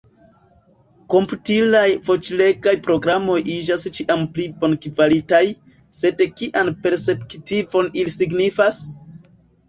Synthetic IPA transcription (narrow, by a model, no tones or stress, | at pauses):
ko̞mputilajfo̞t͡ʃle̞ɡajpɾo̞ɡɾamo̞jid͡ʒast͡ʃiʔamplibo̞nkvalitaj | se̞dkiʔanpe̞ɾse̞pktivo̞nilisiɡnifas